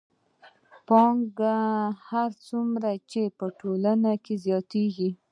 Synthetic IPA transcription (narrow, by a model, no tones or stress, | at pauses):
pɑŋɡahaɾt͡sumɾat͡ʃepəʈolanakezjɑt̪eɡi